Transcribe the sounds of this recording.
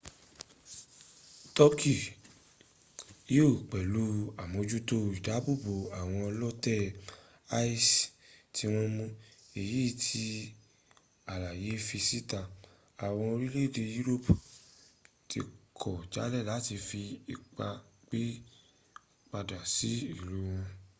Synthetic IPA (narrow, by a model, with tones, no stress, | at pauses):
tɔ˦kʰi˨ | jo˦˨k͡pɛ˨lu˦a˨mõ˧d͡ʒu˦to˧i˨da˨˦bu˦˨bo˨a˨w̃ɔ̃˧ɔ˧lɔ˦tɛ˦˨ | a˦i˦stʰi˧w̃ɔ̃˧mũ˧e˨ji˨˦˨tʰi˧ | a˨la˨je˨˦fi˧si˦ta˨ | a˨w̃ɔ̃˧o˧ɾi˦le˦˨de˧ju˦ɾo˦˨p | tʰḭ˧kʰɔ˨d͡ʒa̰˨˦lɛ˦˨la˨˦ti˧fi˧i˧k͡pa˧k͡pe˦ | k͡pa˧da˨si˨˦i˦˨lu˨˦w̃ɔ̃˧